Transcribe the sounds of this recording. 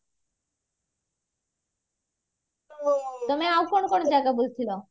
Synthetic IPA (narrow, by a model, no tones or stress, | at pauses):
t̪omeawkonokonod͡ʑaeɡabolt͡ɕʰilo